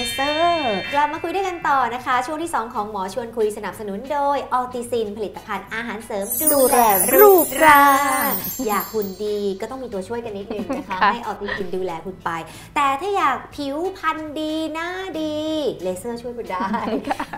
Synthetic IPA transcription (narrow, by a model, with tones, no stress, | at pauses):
sɤː˥˩kla˨˩p̚maː˧kʰu˧jdu˥˩jka˧nt̪ɔː˨˩na˦˥kʰa˦˥t͡ɕʰu˥˩ŋt̪ʰiː˥˩sɔː˨˩˦ŋkʰɔː˩˦ŋmɔː˩˦t͡ɕʰu˧ənkʰu˧jsa˧na˨˩p̚sa˧nu˨˩˦ndoː˧jʔɔː˧t̪i˧si˧npʰa˧li˨˩t̪ːa˧pʰa˧nʔaː˧ɦaː˩˦nsɤː˩˦mduːduː˧lɾɛː˧ɾuː˦˥˩kɾaː˧ŋjaː˨˩k̚pʰːu˨˩ndiː˧kɔː˥˩t̪ɔ˥˩ŋmiː˧t̪u˧ɐt͡ɕʰu˥˩əjka˧nːi˦˥t̪̚nɯ˨˧˩ŋna˦˥kʰa˦ha˥˩jʔɔː˧t̪iː˧kʰi˧nduː˧lɛː˧kʰu˨˩npa˧j | t̪ɛː˨˩t̪ʰaː˥˩jaː˨˩k̚pʰi˨˩˦wpʰa˧ndiː˧naː˥˩diː˧leː˧sɤː˥˩t͡ɕʰu˥˩jkʰu˧ndaː˥˩